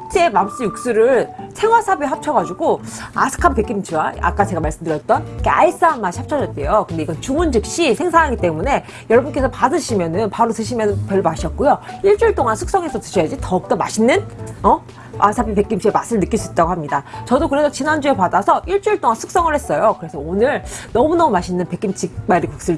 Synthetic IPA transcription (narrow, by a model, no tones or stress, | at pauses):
t͡ɕ͈emams͈ɯjuk̚s͈uɾɯɭsʰe̞ŋwasʰabiɦap̚t͡ɕʰʌɡad͡ʑuɡoa̰sʰɯ̥kʰampek͈imt͡ɕʰiwaa̰k͈at͡ɕe̞ɡamaɭs͈ɯmdɯɾjʌt͈̚ʌnkea̰is͈aamːaɕi̥hap̚t͡ɕʰʌd͡ʑʌt͈e̞jokɯnde̞iɡʌnt͡ɕuŋund͡ʑɯk̚ɕ͈isʰe̞ŋsʰaŋɦaɡit͈e̞mune̞ | jʌɭʌbunk͈e̞sʰʌpadɯɕʰimjʌnɯnpaɾotɯɕʰimjʌnɯnpjʌɭmaɕʰiʌt̚k͈ujoiɭt͡ɕ͈uɭt͈oŋansʰuk̚s͈ʌŋesʰʌtɯɕʰʌjad͡ʑitʌɯk̚t͈ʌmaɕʰinːɯnʌ | ʔasʰabipe̞k͈imɕʰiemasʰɯɭnɯk͈ːiɭs͈uit̚t͈aɡohamɲidat͡ɕʌdokɯɾe̞sʰʌt͡ɕinand͡ʑue̞padasʰʌʔiɭt͡ɕ͈uɭt͈oŋansʰuk̚s͈ʌŋɯɭhe̞s͈ʌjokɯɾe̞sʰʌonɯɾnʌmunʌmumaɕʰinːɯnpek͈imt͡ɕʰimaɾikuk̚s͈ɯ